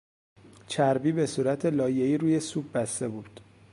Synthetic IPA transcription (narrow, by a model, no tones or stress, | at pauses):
t͡ʃʰæɾbiːbe̞suːɾæt̪ʰe̞lɒːje̞iːɾuːje̞suːb̚bæst̪e̞buːd̪̥